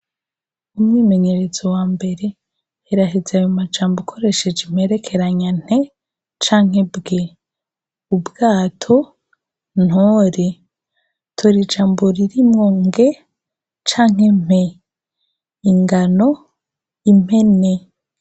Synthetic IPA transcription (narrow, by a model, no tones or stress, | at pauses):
umwiːme̞ɲe̞ɾe̞zo̞waːmbe̞ɾe̞ | eɾaɦizajomad͡ʒaːmbokʰo̞ɾe̞ʃed͡ʒim̥e̞ɾe̞kʰe̞ɾaɲan̥e̞ | t͡ʃaːŋ̥e̞bɡe | ubɡaːtʰo̞ | n̥hoːɾe | tʰoɾid͡ʒaːmboɾiɾimŋoŋɡe̞ | t͡ʃaːŋe̞m̥e̞ | iŋɡano̞ | im̥he̞ne